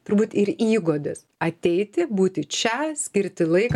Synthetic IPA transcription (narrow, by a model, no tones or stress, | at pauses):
t̪ʊrɾbuːt̪ɪɾiːɡoːd̪ʲɪs | ɐt̪ʲɛɪt̪ʲɪbuːt̪ʲɪt͡ʃʲɛsʲkʲɪɾʲt̪ʲɪlˠɐɪk